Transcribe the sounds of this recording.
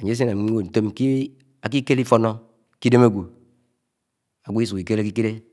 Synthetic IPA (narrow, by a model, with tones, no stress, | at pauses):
a˨ɲ˨˦s̬e˦na˨m˨˦o˦˨n̩˨to˦m˦ki˦ | a˨k̬i˦ke˦li˦fo˦nɔ˦ | ki˦de˦me˦ɡʷu˨ | a˨ɡʷu˦i˦su˨ki˨ke˦le˦k̬i˦ke˦ɾe˦